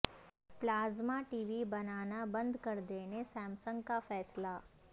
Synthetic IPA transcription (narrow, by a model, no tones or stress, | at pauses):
plaːzmaʈiːʋibɐnaːnabɐ̃nd̪kɐɾd̪eːnesɛ̃ːmsə̃ŋɡkafɛːsla